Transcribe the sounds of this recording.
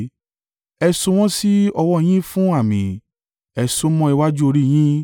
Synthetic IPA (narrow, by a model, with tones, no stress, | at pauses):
ɛ˧so˧w̃ɔ̃˦si˦ɔ˧wɔ˦˧j̃ĩ˦fũ˦a˦˨mḭ̃˨ | ɛ˧so˦mɔ̃˦i˧wa˦d͡ʒu˦o˧ɾi˦˧j̃ĩ˦